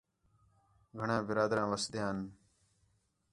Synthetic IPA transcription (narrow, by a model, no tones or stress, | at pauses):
ɡʱəɳãːbɪɾaːd̪ɾãːʋəsd̪jãːn